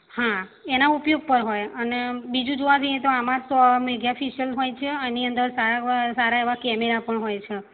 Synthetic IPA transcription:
hãenaupjoɡ̚pəɾɦojənebid͡ʒũd͡ʒoʋad͡ʒəjẽt̪oamãt̪meɡjafiʃiəlɦojt͡ʃʰeəniənd̪əɾsaɾasaɾaeʋakɛmeɾapəɳɦojt͡ʃʰe

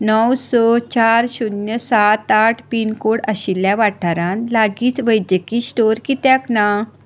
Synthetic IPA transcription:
nɔwsɔt͡ɕaɾɕunjəsat̪aʈʰpinkoɽəɕilːjaʋaʈʰaɾãnlaɡiːt͡sʋəjd̪jəkiːsʈoɾkit̪jakna

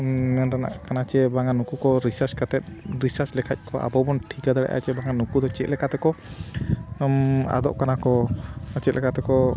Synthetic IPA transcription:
mɛnɾana̰ʔkanat͡ʃɛbaŋanukukɔɾisaɾskat̪ɛt̪̚ɾisaɾslɛkʰac̚ˀkɔʔa̰bɔbɔnʈʰikad̪aɽɛ̰ʔa̰t͡ʃɛbaŋanukud̪ɔt͡ʃɛt̪lɛkat̪ɛkɔ | ma̰d̪ɔ̰ʔkanakɔt͡ʃɛt̪lɛkat̪ɛkɔ

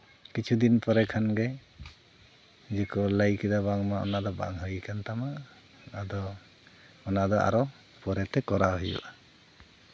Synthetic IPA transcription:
kit͡ʃʰud̪inpɔɾɛkʰanɡe | zikʰɔlajkʰid̪abaŋmaɔ̰nad̪ɔba̰ŋɦɯjkʰant̪amaː | d̪ɔ | mɔnad̪ɔa̰ɾɔ | pɔɾɛtɛkɔɾaɦɯjṵʔa

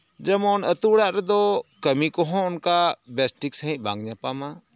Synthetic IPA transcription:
d͡ʒəmɔnət̪uɽaʔɾɛd̪ɔkəmikɔɦɔ̃ʊnkabɛsʈiksəɦĩʔ̚ˀbãŋɡɲapama

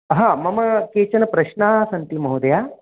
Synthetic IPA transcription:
ɦãmɐməkeːt͡ɕɐnɐpɾɐɕnasɐnt̪imɐɦud̪ja

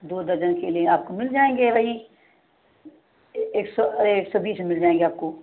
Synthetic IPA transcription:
d̪oːd̪ɐɾd͡ʒənkeliẽaːp̚komɪld͡ʒaːẽːŋɡeːʋɐɦi | eːksɔeːksɔbʱiːsemɪld͡ʒaːẽːŋɡeaːp̚koː

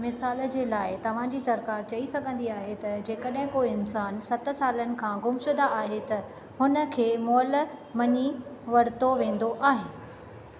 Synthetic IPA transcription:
mɪsaːld͡ʑeːlaːɪt̪ɐʋ̤ãːd͡ʑiːsɐɾkaːɾt͡ɕɐisɐɡʱə̃nd̪iaːɦet̪ɐd͡ʑeːkəɗɦɪ̃koːiɪnsaːnsɐt̪̆saːlənɪ̆kʰãːɡʊmʃʊd̪aaːɦet̪ɐ | ɦʊnə̆kʰeːmɔːlmɐɲiʋɐɽɪt̪oʋẽːn̆d̪oʔaːɦɪnɪ̆

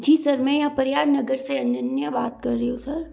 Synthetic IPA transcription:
d͡ʒiːsɐɾmɛ̃ːjãpɐɾjaːɾnɐɡəɾseɐ̃nənjəbaːt̪̚kɐɾːɐɦiɦõsɐɾ

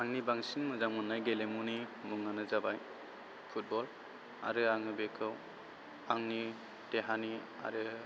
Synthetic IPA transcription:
aŋnibaŋsinmɯzaŋmɯnːajɡelemunimuŋnanɯzabaj | pʰut̚bɔl | a̰ɾɯaŋɯbekʰɯw | aŋni | teɦani | a̰ɾɯ

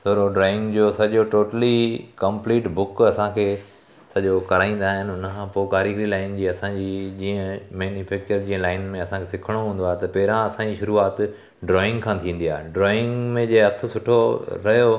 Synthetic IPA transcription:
t̪oːɾoɖɾɔːɪ̃ŋɡd͡ʑoːsɐʄoʈoːʈəlikɐ̃mpliːʈbʊkɐsãkʰeː | sɐʄokɐɾaːĩːn̆d̪aːɦɪnɪʊnəkʰãːpoːkaːɾiɡɾilaːɪnd͡ʑiːɐsãːd͡ʑiːd͡ʑiːə̃meːnifɛːk̚t͡ɕəɾd͡ʑĩːə̃laːɪnmẽɐsãkʰesɪkʰəɽ̃oɦũːn̆d̪aːɦt̪ɐpɛɾãɐsãːd͡ʑiʃʊɾuaːt̪ | ɖɾɔːɪ̃ŋɡkʰãːt̪ʰĩːn̆d̪ijaːɦɖɾɔːɪ̃ŋɡmẽd͡ʑeːɦɐt̪ʰʊ̆sʊʈʰoɾɐɦjo

